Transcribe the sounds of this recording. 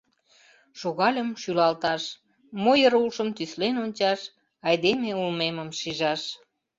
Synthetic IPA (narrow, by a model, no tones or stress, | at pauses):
ʃoɣɑlʲəmʃylɑlt̪ɑʃ | mojəɾulʃəmt̪yslenonʲt͡ɕɑʃ | ɑjd̪emeulmeməmʃiʒɑʃ